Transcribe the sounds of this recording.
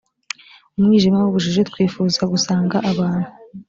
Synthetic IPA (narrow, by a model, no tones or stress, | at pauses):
umŋiːʒimawuβuʒiʒet̪̚wiːfuːzaɡusaːŋɡaʔaβaːn̥hu